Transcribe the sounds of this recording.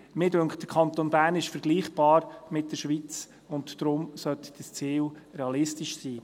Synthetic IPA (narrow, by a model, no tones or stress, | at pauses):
mɪdøŋkχtd̥əkʰɑnt̪onbæːɾnɪʃfəɾɡ̥liːχb̥ɑːɾmɪt̚d̥əɾʃʋiːt͡s | ʊntd̥ɾʊmsœt̪d̥əst͡siːlɾeɑlɪstɪʃsiː